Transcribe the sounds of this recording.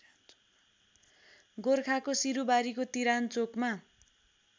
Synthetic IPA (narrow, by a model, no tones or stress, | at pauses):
ɡorkʰakosiɾubaɾikot̪iɾant͡sokma